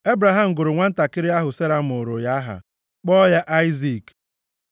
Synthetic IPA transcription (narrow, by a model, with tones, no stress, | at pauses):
e˦bɾa˨ɦa˨m̩˨ɡʊ˨ɾʊ˨ŋʷa˦n̩˦ta˨kɪ˦ɾɪ˦a˦ɦʊ˨se˦ɾa˦m̩˨ʊ˨ɾʊ˨ja˦a˦ɦa̰˨ | k͡pɔ˦ja˦ʔa˦ɪ˦zi˨k